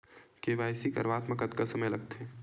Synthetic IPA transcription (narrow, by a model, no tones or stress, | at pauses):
keʋaːjsikɐ̰ɾʋaːt̪məkɐt̪kəsɐməjlɐɡ̚t̪ẽ